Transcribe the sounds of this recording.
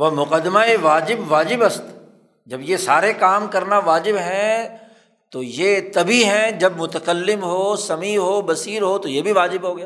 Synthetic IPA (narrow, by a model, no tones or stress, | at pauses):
ʋɐmʊqəd̪maeʋaːd͡ʒɪbʋaːd͡ʒɪbɐst̪ | d͡ʒɐbjesaːɾekaːmkɐɾnaʋaːd͡ʒɪbɦɛ̃ | t̪ojet̪ɐbiɦɛ̃d͡ʒɐbmʊt̪əkəlːɪmɦoːsɐmiɦoːbɐsiːɾɦot̪ojebʱiʋaːd͡ʒɪbɦoːɡɐjaː